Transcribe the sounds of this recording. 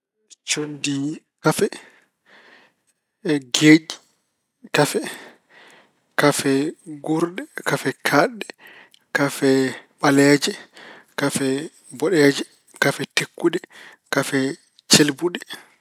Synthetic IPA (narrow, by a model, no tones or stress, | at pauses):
t͡ʃondi | kafɛ | ɡeːd͡ʒi | kafɛ | kafɛɡuɾɗɛkafɛkʰaɗːɛ | kafɛɓalɛd͡ʒɛ | kafɛ | bɔɗɛːd͡ʒɛ | kafɛtekːuɗɛ | kafɛ | t͡ʃelbuɗɛ